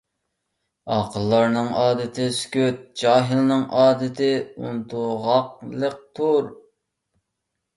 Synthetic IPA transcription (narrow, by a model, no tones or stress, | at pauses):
ɑqʰəlˠːɑɾnɨŋʔɑːd̪ɨt̪ʰɪskʲøt̪̚d͡ʒɑːɦɨlˠnɨŋʔɑːd̪ɨt̪ʰɪunt̪ʰuʁɑqlˠək̚t̪ʰuɾ